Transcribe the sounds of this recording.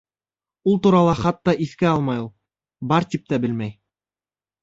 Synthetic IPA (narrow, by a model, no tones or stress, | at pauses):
ulˠt̪uɾɑlˠɑχɑt̪ːɑʔiθkɘɑlˠmɑju | bɑɾt̪ip̚t̪æbɘ̆lmæj